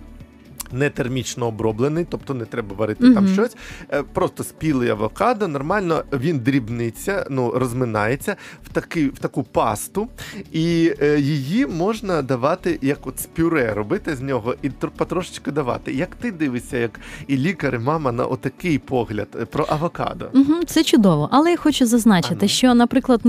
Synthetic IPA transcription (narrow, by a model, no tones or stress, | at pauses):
nɛt̪ermʲit͡ʃnɔːbɾɔblˠenɪjt̪ɔp̚t̪ɔnɛt̪ɾɛbɐʋɐɾɪt̪ɪt̪ɑmʃt͡ʃɔsʲpɾɔst̪ɔsʲpʲilˠɪjɐʋɔkɑd̪ɐnɔrmɑlʲnɔʋʲind̪ɾʲibnɪt͡sʲːɐnurɔzmɪnɑjet͡sʲːɐw̥t̪ɐkɪwt̪ɐkupɑst̪ʊijijimɔʒnɐd̪ɐʋɑt̪ɪjɐkɔt̪sʲpʲʊɾɛɾɔbɪt̪ɪzʲnʲɔɦɔʔit̪pɐt̪ɾɔʃɪ̥t͡ʃkɪd̪ɐʋɑ̰t̪ɪjɐkt̪ɪd̪ɪʋɪsʲːɐjɐkilʲikɐɾɪmɑmɐnɐ̰ʔɔt̪ːɐkɪjpʰɔɦlʲɐ̰d̪pɾɔʔɐʋɔkɑ̰d̪ɔ̰m̩ɦm̩t̪sɛt͡ʃʊd̪ɔʋɔʔɐlˠɛjaxɔt͡ʃʊzɐznɑt͡ʃɪt̪ɪʃt͡ʃɔnɐpɾɪklˠɐd̪